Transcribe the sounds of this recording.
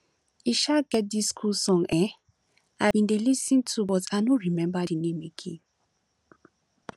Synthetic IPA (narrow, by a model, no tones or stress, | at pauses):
iʃaɡɛt̚diskʰulsɔ̃ŋɛ | ãĩndelisĩntʰubɔtaɪnoɹimɛ̃mbadinẽmeɡʰḭ̃